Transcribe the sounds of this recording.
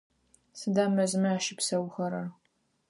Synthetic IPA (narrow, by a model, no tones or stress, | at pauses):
sɨdaːmɐzmɨaːʃɪpsɐwxɐɾɐr